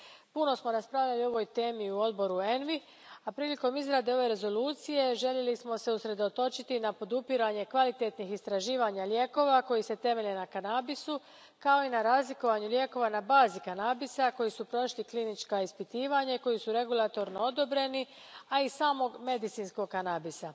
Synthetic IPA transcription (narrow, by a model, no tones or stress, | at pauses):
puno̞smo̞ɾaspɾaʋʎalio̞ʋo̞jt̪e̞ːmiuo̞d̪bo̞ɾue̞nʋi | apɾiːliko̞mizɾad̪e̞o̞ʋe̞ɾe̞zo̞luːt̪sije̞ʒeʎje̞lismo̞se̞usɾe̞d̪o̞t̪o̞t͡ʃit̪inapo̞d̪upiɾaɲe̞kʋalit̪e̞t̪nixist̪ɾaʒiːʋaɲalje̞ːko̞ʋako̞jise̞t̪e̞me̞ʎenakanabisu | kao̞inaɾaːzliko̞ʋaɲulje̞ko̞ʋanabaːzikanabisako̞jisupɾo̞ʃliklinit͡ʃkaispit̪iːʋaɲako̞jisuɾe̞ɡulˠat̪o̞ɾnoo̞d̪o̞bɾe̞ni | aisaːmo̞ɡme̞d̪it̪siːnsko̞ɡ̚kanabisa